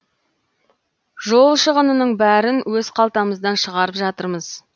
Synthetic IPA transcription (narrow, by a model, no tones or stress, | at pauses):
ʒo̞lˠʃəʁənənəɴbæɾɪnwɵzqʰɑlˠt̪ɑməzd̪ɑnʃəʁɑɾəpʒɑt̪əɾməz